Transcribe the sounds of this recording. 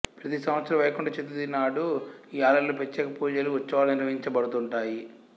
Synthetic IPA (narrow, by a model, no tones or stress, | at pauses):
pɾɐt̪isɐmʋɐt̪sɐɾɐʋɐjɐkuɳɖaːt͡ʃed̪ud̪inaːɽuiːaːlɐjloːpet͡ʃːɛːkɐpuːd͡ʒɐluʋɐt͡ʃːɐʋaːlɐniɾʋɐɦiɲt͡ʃɐbɐɽut̪uɳʈaːji